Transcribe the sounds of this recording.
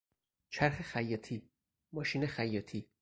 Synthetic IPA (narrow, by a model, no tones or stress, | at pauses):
t͡ʃʰæɾxexæjːɒːt̪ʰiː | mɒːʃiːnexæjːɒːt̪ʰiː